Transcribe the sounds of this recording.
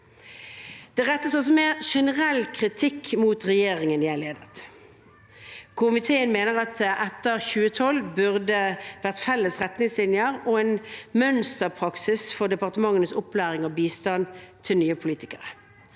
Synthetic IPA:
d̪̥ɛʁɛt̪ːəsɔs̬ɔmeːʁʂɛnəʁɛlːkʰʁɪt̪ʰɪkːmuːt̪ʁɛjeːʁɪŋənd̪ɪːæɪleːd̪ət̪ | kʰʊmɪt̪ʰeːənmeːnəʁɑt̪ʔɛt̪ːəʁçʉːət̪ʰɔlːbʉʁd̪əʋæʁt̪fɛlːəsʁɛt̪nɪŋslɪnjəʁɔeːnmœnst̪əpʰʁɑksɪsfɔd̪ɛpɑʁt̪əmɑŋːənəsʊpːlæːʁɪŋɔbiːst̪ɑnt̪ʰɪlnyːəpʰʊliːt̪ɪkəʁə

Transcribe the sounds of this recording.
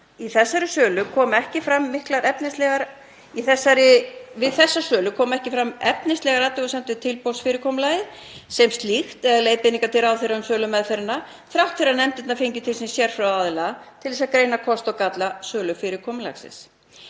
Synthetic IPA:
iθɛsːaɾʏsœːlʏkʰɔːmɛhcɪfɾamːɪhklaɾɛpnɪst̪lɛɣaɾ | iθɛsːaɾɪvɪðθɛsːasœːlʏkʰɔːmɛhcɪfɾamɛpnɪslɛɣaɾat̪ɪɣɔsɛmt̪ʏt̪ʰɪlpowlsfɪːɾɪɾkʰɔmʏlaːjɪ | sɛmst̪lixt̪ɛðaleːjpɪniŋkat̪ʰɪɾawθɪɾaʏmsœːlʏmːɛðθɛɾɪna | θɾawht̪fɪɾanɛmt̪ɪt̪nafejɲcʏt̪ʰɪlsimsjɛɾ̥fɾawaðlat̪ʰɪlɛsaðkɾeːjnakʰɔst̪ɔkat̪lasœːlʏfɪɾɪkʰɔmʏla̰ksɪ̰s

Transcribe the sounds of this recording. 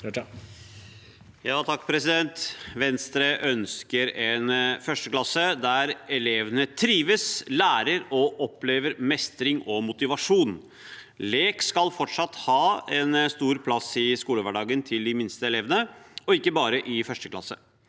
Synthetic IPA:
jɑːt̪ʰɑkːpʰɾɛsɪd̪ɛnt̪ʋɛnst̪ɾeʔœnskəɾɛnfœʂʈəklɑsəd̪æɾɛleːʋnət̪ʰɾiːʋəslæːɾəɾɔʔɔpleːʋəɾmɛst̪ɾɪŋɔmʊt̪ɪʋɑʂuːn | leːkskɑlfɔʈʂɑt̪ːhɑːɛnst̪uːɾpʰlɑsɪskuːləʋæɖɑːɡənt̪ʰɪld̪ɪmɪnst̪əɛlɛːʋənəɔɪkːəbɑːɾəʔɪfœʂʈəklɑ̰sːə̰

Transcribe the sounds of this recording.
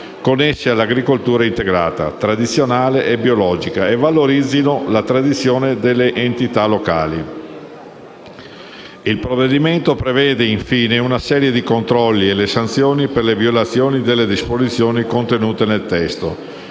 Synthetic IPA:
konːesːealːaɡɾikolt̪uːɾaint̪eɡɾa̰ːt̪a̰t̪ɾad̪it̪sːjonaːleʔebiolɔːd͡ʒikaevːaloɾid̪zːinolat̪ɾad̪it̪sːjoːned̪elːeʔent̪it̪alokaːli | ilpɾovːed̪iment̪opɾevɛːd̪eiɱfiːneunasɛːɾjed̪ikont̪ɾɔlːielesant̪sjoːniperleviolat̪sːjoːnid̪elːed̪ispozit̪sːjoːnikont̪enuːt̪enelt̪ɛst̪o̰

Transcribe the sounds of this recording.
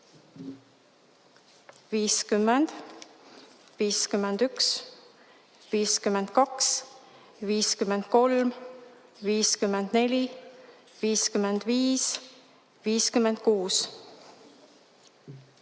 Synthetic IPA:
viːskymːend̪̥ | viːskymːend̪̥yks | viːskymːend̪̥kɑks | viːskymend̪̥̚ko̞lm | viːskymːend̪̥ne̞lʲi | viːskymend̪̥viːs | viːskymːend̪̥̚kuːs

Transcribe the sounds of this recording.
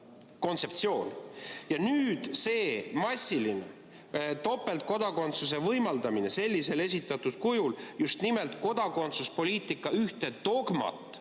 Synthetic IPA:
ko̞nt̪se̞pt̪sio̞ːnjɑnyːd̪̥se̞ːmɑsʲːiline | t̪o̞pːˑe̞lt̪̚ko̞d̪̥ɑko̞nt̪sus̬e̞vɤjmɑld̪ɑmine̞se̞lʲːise̞le̞sʲit̪ːˑɑt̪ːud̪̥kujuljust̪nimelt̪ˑko̞d̪̥ɑko̞nt̪suspo̞lʲiːt̪ˑikːˑɑyht̪e̞d̪o̞ɡmɑ̰t̪ːˑ

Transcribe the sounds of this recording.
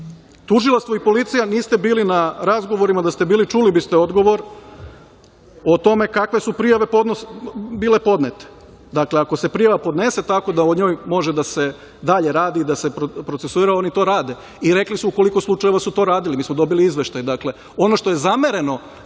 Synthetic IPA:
t̪uʒilˠast̪ʋoipo̞lit̪sijaniːst̪e̞biːlinaɾazɡo̞ʋo̞ɾimad̪ast̪e̞biːlit͡ʃulibist̪eo̞d̪ɡo̞ʋo̞ɾ | o̞t̪o̞me̞kakʋe̞supɾijaʋe̞pod̪nobiːle̞po̞d̪net̪e̥ | d̪akle̞ako̞se̞pɾijaʋapo̞d̪ne̞se̞t̪ako̞d̪aoɲo̞ːjmo̞ʒed̪ase̞ | d̪aʎe̞ɾaːd̪iːd̪asepɾopɾot̪sesuiːɾao̞nit̪o̞ːɾaːd̪e̞ | iɾe̞klisuuko̞liko̞slˠut͡ʃaje̞ʋasut̪o̞ɾaːd̪ilimiːsmod̪o̞biliizʋe̞ʃt̪ajd̪akle̞ | o̞no̞ʃt̪o̞jezame̞ɾe̞no̞

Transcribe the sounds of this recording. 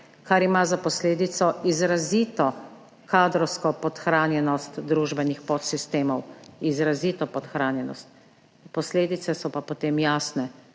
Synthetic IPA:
kaɾimazapɔsleːd̪it̪sɔʔizɾaziːt̪ɔ | kaːd̪ɾɔwskɔpɔt̪xɾaːnjɛnɔst̪d̪ɾuʒbɛnixpɔt̪sist̪eːmɔwizɾaziːt̪ɔpɔt̪xɾaːnjɛnɔ̰st̪̚ | pɔsleːd̪it̪sɛsɔpapɔt̪eːmjaːsnɛ

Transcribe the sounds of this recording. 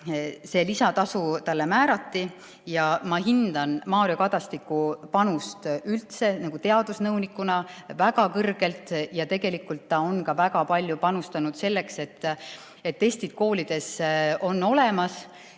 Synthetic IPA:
se̞lisɑt̪ɑsut̪ɑlːe̞mæːɾɑt̪ːi | jɑmɑɦind̪̥ɑnmɑːɾiokɑd̪̥ɑst̪ikːˑupɑnust̪ylt̪se̞nɑɡ̥ut̪e̞ɑd̪̥usnɤwnikːˑunɑvæɡɑkɤrɡ̥e̞lt̪ˑjɑt̪e̞ɡe̞likːult̪ːɑo̞nkɑvæɡ̥ɑpɑlʲjupɑnust̪ɑnud̪̥se̞lːe̞kse̞t̪ː | e̞t̪ːe̞st̪id̪̥ko̞ːlid̪̥e̞so̞nːo̞le̞mɑs

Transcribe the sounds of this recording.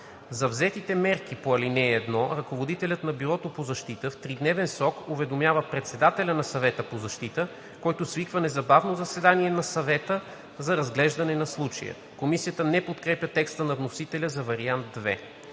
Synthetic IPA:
zɐvzɛt̪it̪ɛmɛɾk̟ipoɐlinɛɛd̪nɔɾɐkovod̪it̪ɛlʲət̪nɐbiɾɔt̪opozɐʃt̪it̪əft̪ɾid̪nɛvɛnsɾɔkovɛd̪omjavəpɾɛt̪sɛd̪at̪ɛlʲənɐsɐvɛt̪əpozɐʃt̪it̪ə | kɔjt̪osvikvənɛzɐbavnozɐsɛd̪aniɛnɐsɐvɛt̪ə | zɐɾɐzɡlɛʒd̪ɐnɛnɐslˠut͡ʃɐ̰jə̰ | komisijət̪ənɛpot̪kɾɛpjʲət̪ɛkst̪ənɐvnosit̪ɛlʲəzɐvɐɾiand̪̚d̪vɛ̰

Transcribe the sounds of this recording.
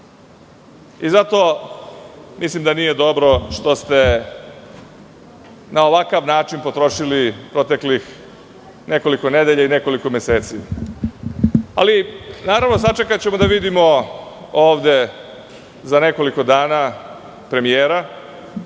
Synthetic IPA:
izat̪o̞ | mislimd̪anije̞d̪o̞bɾo̞ʃt̪o̞st̪e̞ | nao̞ʋakaʋnaːt͡ʃinpo̞t̪ɾo̞ʃilipɾo̞t̪e̞klix | ne̞ko̞liko̞ne̞d̪eʎaineko̞liko̞mese̞ːt̪si | a̰linaːɾaʋno̞sat͡ʃekat͡ɕe̞mod̪aʋid̪imo̞ | oːʋd̪e̞ | zane̞ko̞liko̞d̪aːna | pɾe̞mijeːɾa

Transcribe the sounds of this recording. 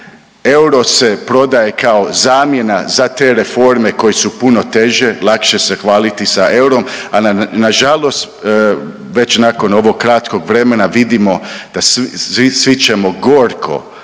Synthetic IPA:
e̞wɾo̞se̞pɾo̞d̪aje̞kʰaozaːmje̞nazat̪e̞ːɾe̞fo̞ɾme̞ko̞jesupuno̞t̪e̞ʒelˠakʃesexʋaːlit̪isaʔe̞wɾo̞mannaʒalˠo̞st̪ː | ʋe̞t͡ɕnako̞no̞ʋoɡ̚kːɾat̪ko̞ɡʋɾe̞me̞naʋid̪imo̞d̪̥asisʋit͡ʃemo̞ɡo̞ːɾkʰo̰

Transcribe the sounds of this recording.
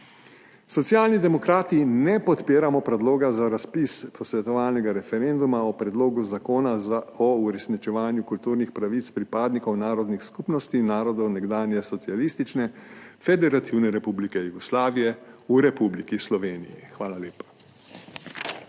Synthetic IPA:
sɔt̪sjalnid̪ɛmɔkɾaːt̪inɛpɔt̪peːɾamɔpɾɛd̪loːɡazaɾaspispʰɔsʋɛt̪ɔʋaːlnɛɡaɾɛfɛɾɛnd̪umaɔpɾɛd̪loːɡuzakoːnaɔuɾɛsnit͡ʃɛʋaːnjukult̪uːɾnixpɾaʋit̪spɾipaːd̪nikɔwnaːɾɔd̪nixskupnɔst̪inaːɾɔd̪ɔwnɛɡd̪aːnjɛsɔt̪sialist̪it͡ʃnɛfɛd̪ɛɾat̪ʰiwnɛɾɛpublikɛjuɡɔslaːʋijɛuɾɛpublikislɔʋeːnijḭxʋaːlaleːpḁ

